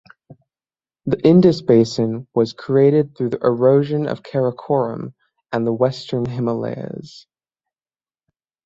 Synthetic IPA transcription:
ðiʔɪ̃ndɨsb̥eɪsɨ̃nwʌz̥kʰɹ̥ieɪɾɨd̪̚θɹʉðiʔə˞oʊʒɨ̃nʌ̰v̥kʰɛɹəkʰɔɹə̰̃m | ɨ̃nðəwɛstʰə̃˞nɦɪməlḛɪɨ̰z̥

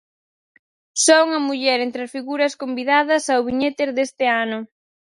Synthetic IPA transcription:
sɔuŋɐmuʎɛɾent̪ɾasfiɣuɾɐskombiðað̞ɐsawβiɲet̪eɾðest̪ɪanʊ

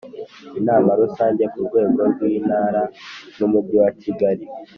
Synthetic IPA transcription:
inaːmaɾusaːɲɟe̞kuɾɡwe̞ːɡo̞ɾɡwiːnaːɾanumubɟiwaciɡaɾi

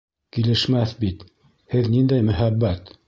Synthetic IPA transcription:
kilɘ̆ʃmæθbit̪ | hɘðnind̪æjmɵ̆ɦæbːæt̪

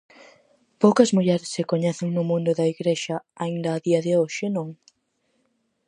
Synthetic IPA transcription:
powkɐzmuʎɛɾɪsːekoɲɛθɪŋnʊmũnd̪ʊðɐiɣɾeʃɐaind̪ɐːðiɐðɪoʃɪnõŋ

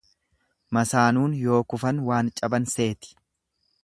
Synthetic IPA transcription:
mɐsaːnuːnjo̞ːkʊfɐnwaːnt͡ʃʼɐbɐnse̞ːt̪ɪ̥

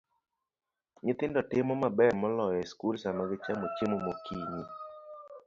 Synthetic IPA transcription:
ɲɪt̪ɪndɔtɪmɔmabɛɾmɔlɔjɛskulsamaɡɪt͡ʃamot͡ʃemomokʰiɲi

